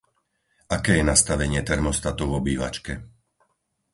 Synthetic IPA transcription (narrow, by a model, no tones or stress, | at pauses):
akɛːjɛnast̪aʋɛɲɪɛt̪ɛɾmɔst̪at̪ɔʊɔbiːʋa̰t͡ʃkɛ